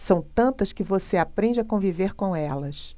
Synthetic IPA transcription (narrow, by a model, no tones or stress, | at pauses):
sɐ̃w̃t̪ɐ̃nt̪ɐskɪvoseapɾẽɲd͡ʒɪakõviveɾkõɛlɐs